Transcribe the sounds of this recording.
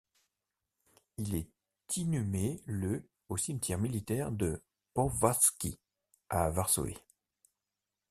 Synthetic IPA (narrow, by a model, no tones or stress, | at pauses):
ilɛ | t̪ʰinymelø | osimt̪ʰjɛʁmilit̪ɛʁd̪ə | pɔvaskʲi | avaʁso̰ḛ